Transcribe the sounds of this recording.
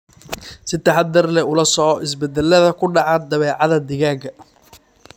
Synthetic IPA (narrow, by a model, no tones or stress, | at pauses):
sɪt̪ʰɐħad̪ɐrlɛʊlɐsɔʕɔʔɪs̬bɛd̪ɛlɐðɐkʰʊɖɑʕɑd̪ɐβɛːʕɑðɐd̪ɪɣaːɡɐ